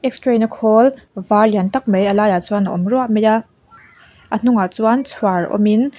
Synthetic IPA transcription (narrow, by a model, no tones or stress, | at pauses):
ʔɛk̚stɾɛnəkʰɔlvaliant̪ɐk̚mejʔəlaːjat͡suanəɔ̰mruaʔmɛja | ʔən̥ʊŋat͡suant͡sʰwaɹɔ̰min